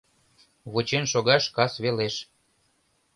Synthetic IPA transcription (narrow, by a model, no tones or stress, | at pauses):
βot͡ɕenʃoɣɑʃkɑsβeleʃ